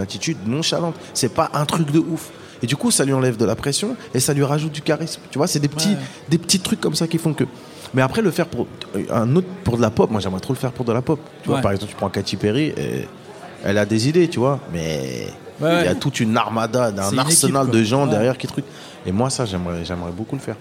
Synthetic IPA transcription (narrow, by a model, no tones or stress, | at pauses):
nat̪it̪yd̪nɔ̃ʃalɑ̃t̪sɛpaʔɛ̃t̪χykd̪əʔuf | ed̪ykusalɥiɑ̃lɛvd̪əlapχesjɔ̃esalɥiʁaʒut̪̚d̪ykaʁismt̪yvwasɛd̪epət̪ʰi | d̪epət̪it̪χykːɔmsakʲifɔ̃kə | mɛapχɛləfɛʁpuʁɛ̰̃not̪χpuʁd̪əlapɔp̚mwaʒɛmʁɛt̪χoləfɛʁpuʁd̪əlapɔp | t̪yvwapaʁɛɡzɑ̃pt̪y̥pχɑ̃kat̪ipeʁiʔḛ | ɛ̰lad̪ezid̪et̪yvwamɛ̰ | ija̰t̪ut̪ynaʁmad̪aɛ̃naʁsənald̪əʒɑ̃d̪ɛʁjɛʁkʲit̪χyk | emwasaʒɛmʁɛʒɛmʁɛbokuləfɛʁ